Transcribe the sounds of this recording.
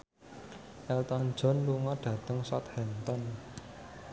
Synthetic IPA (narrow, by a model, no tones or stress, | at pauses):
ʔɛlt̪ɔn̥d͡ʒ̥ɔ̤nluŋɔɖ̥ä̤t̪əŋsɔt̪̚hɛnt̪ɔn